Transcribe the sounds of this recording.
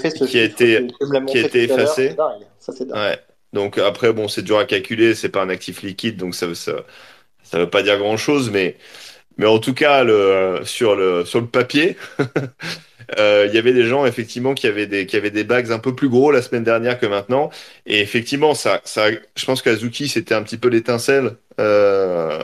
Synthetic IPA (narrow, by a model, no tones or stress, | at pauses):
iaet̪eakiaet̪eːfased | ɛwɛ | d̪ɔ̃kapχɛbɔ̃sɛd̪yʁakalkʲylesɛpaɛ̃nak̚t̪ʰiflikʲid̪̚ːɔ̃ksavsa̰ | savøpad̪iʁɡʁɑ̃ʃozmɛ | mɛɑ̃t̪ukaləsyʁləsyʁləpapje | øiljavɛd̪eʒɑ̃efɛk̚t̪ivmɑ̃kʲiavɛd̪ekʲiavɛd̪ebaɡzɛ̃pøplyɡʁolasmɛnd̪ɛʁnjɛʁkəmɛ̃t̪nɑ̃eːfɛk̚t̪ivmɑ̃sasaʒ̥ə̥pɑ̃skəlazukʲiset̪ɛɛ̃pət̪ipølet̪ɛ̃sɛlø